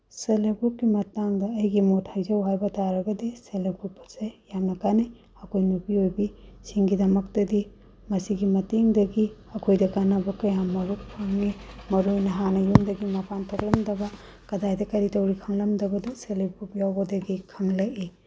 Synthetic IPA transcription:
selebup̚ɡimɐtaŋdɐːjɡimothajzɐwɦajbɐtaɾɐɡɐdeselebutpɐ̥sejamnɐkani | ɐkʰojnupiojbisiŋɡidɐmɐk̚tɐdi | mɐsiɡimɐteŋdɐɡiɐkʰojdɐkanɐbɐkɐjamɐɾuk̚pʰaŋnimɐɾojnɐɦanɐjumdɐɡimɐpʰantʰok̚lɐmdɐbɐ | kɐdajdɐkɐɾitɐwɾikʰɐŋlɐmdɐbɐdɐselebupjawbɐdɐɡikʰɐŋlɐki

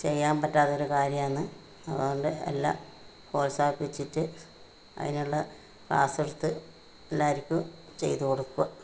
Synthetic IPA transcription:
t͡ɕejjːaːmpɐtːaːt̪ːɐo̞ɾukaːɾjɐmɐnːɨ | ɐðɨɣoɳɖɨḛlːa̰ | hoːlsaːpːʋet͡ɕːitːɨ | ɐ̰ðinuɭːɐ | pa̰ːsɐɽut̪ːɨ | elːaːʋɐɾikʲːu | t͡ɕe̞̰jt̪uko̞ɽukːuɐ

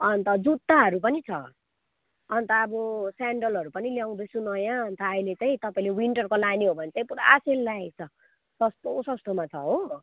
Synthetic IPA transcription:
ʌnt̪ʌd͡zut̪ːaɦʌɾup̬ʌnit͡sʰʌ̰ | ʌnt̪ʌːbʌsaɳɖʌlɦʌɾupʌniljaw̃d̪ʌsunʌjãʌnt̪ʌːilet͡sʌĩt̪ʌpaĩlewiɳʈʌrkolaniɦobʱʌnet͡sʌĩpuɾa̰selːat͡sʰʌ | sʌst̪osʌst̪omat͡sʰʌ̰ɦo

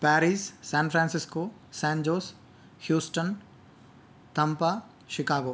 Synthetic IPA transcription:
pɛːɾissɛ̃ːnfɾɛ̃ːnsɪskoː | sɛ̃ːɲd͡ʑoːs | hjuːsʈən | t̪ɐ̃mpa | ʃɪkaːɡoː

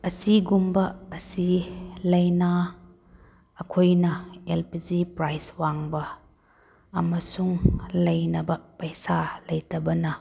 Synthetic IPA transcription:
ɐsiɡumbɐːsilɐjnɐ | kʰojnɐelpid͡ʒipɾajswaŋbɐː | mɐsuŋlɐjnɐbɐpɐjsalɐjtɐbɐnɐ

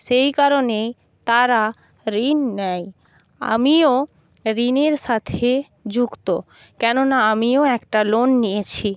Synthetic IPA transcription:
ʃejkaɾonej | t̪aɾa | ɾinːɛj | a̰mio | ɾineɾʃat̪ʰe | d͡ʑukt̪o | kɛnonaamioɛkʈalonːijet͡ɕʰi

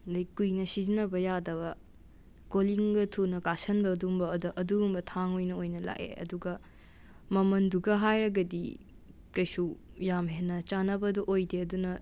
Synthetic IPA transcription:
dɐjkujnɐsizinɐbɐjadɐβɐ | koliŋɡɐtʰunɐkasɐnbɐdumbɐːdɐʔɐduɡumbɐtʰaŋojnɐojnɐla̰ʔḛɐ̰duɡɐ | mɐmɐnduɡɐɦajɾɐɡɐdḭ | kɐjsujamɦenːɐt͡ʃanɐbɐduʔojdeɐdunɐ

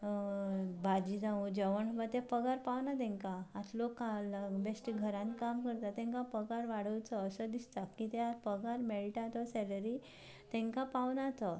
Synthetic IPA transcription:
bad͡ʑid͡zãũd͡ʑəʋəɳɦəbat̪ɛpəɡaɾpaʋnat̪̬ɛ̃ŋkaːt̪lokalbesʈiɡʱəɾãnkamkəɾt̪at̪ːɛ̃ŋkapəɡaɾʋaɽ̤əwt͡səːsəd̪ist̪akit̪ɛapəɡaɾmeɽiʈat̪ɔsɛləɾi | t̪ɛ̃ŋkãpaʋnat͡sɔ

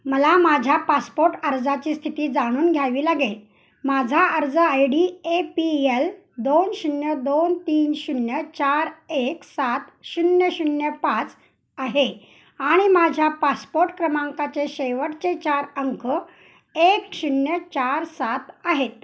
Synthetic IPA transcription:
məlamad͡ʑʱjapaspoɾʈəɾd͡zat͡ɕiːst̪ʰit̪iːd͡zaɽ̃uːnɡʱjaʋiːlaɡel | mad͡zʱaəɾd͡zəajɽiːepiel | d̪onɕunjəd̪ont̪iːnɕunjət͡ɕaɾeksat̪ɕunjəɕunjəpat͡s | aɦe | aɽ̃imad͡ʑʱjapaspoɾʈkɾəmaŋkat͡seɕeʋəʈt͡set͡ɕaɾəŋkʰə | ekɕunjət͡ɕaɾsat̪aɦet̪̚

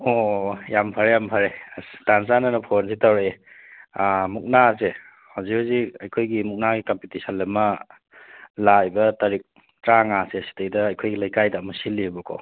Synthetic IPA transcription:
ojampʰaɾejampʰaɾedanzanɐnɐpʰonzitawɾee | muk̚nas̬e | hawzikhaziɐjkʰojɡimuk̚naɡikampitisalːɐmɐ | lajbɐtɐɾik̚ | tɾaŋaseɐsi̥tejdɐːjkʰojɡilajkajdɐːmɐsilːibukʰo̰w

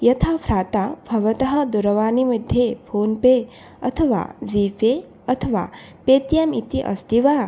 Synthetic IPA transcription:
jɐt̪ʰapʰɾaːt̪abʱɐʋɐt̪ɐɦɐ̆d̪uɾɐʋaːnimɐd̪ʱːjepʰoːnpe | ɐ̰t̪ʰɐʋa̰ːziːpe | ɐt̪ʰɐʋa̰ː | peːt̪jɐmit̪iʔɐ̰st̪iʋa

